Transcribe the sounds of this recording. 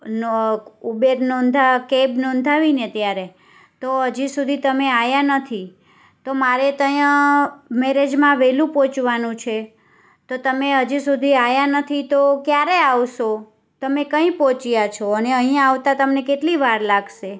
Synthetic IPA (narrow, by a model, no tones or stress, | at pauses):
nubeɾnɔnd̪ʱakebnɔ̃nd̪ʱaʋinet̪jaɾe | t̪oɦəd͡ʒisud̪ʱit̪əmeajanət̪ʰi | t̪omaɾet̪əjãmeɾed͡ʒmãʋelũpot͡ʃʋanũt͡ʃʰe | t̪ot̪əmeɦəd͡ʒisud̪ʱiajanət̪ʰit̪okjaɾeaʋʃo | t̪əmekə̃ĩpot͡ʃijat͡ʃʰoəneəɦĩjãaʋt̪at̪əmnekeʈliʋaɾlaɡʃe